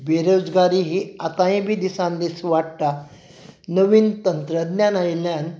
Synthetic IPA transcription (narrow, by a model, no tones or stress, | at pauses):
beɾod͡zɡaɾiɦiat̪aĩbid̪isãnd̪isʋaɽʈ̪a | nəʋiːnt̪ənt̪ɾəd̪njanajljan